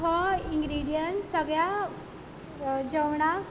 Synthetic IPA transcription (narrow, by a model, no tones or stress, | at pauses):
ɦɔiŋɡɾiɽijənsəɡɭja | d͡ʑəwɳa